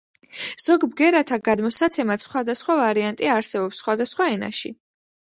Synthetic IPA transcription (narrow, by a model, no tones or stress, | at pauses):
z̥ɔɡbɡɛɾat̪ʰaɡad̪mɔsat̪sʰɛmat̪sχwad̪asχwavaɾiant̪ʼiaɾsɛbɔpsːχwad̪asχwaɛna̰ʃḭ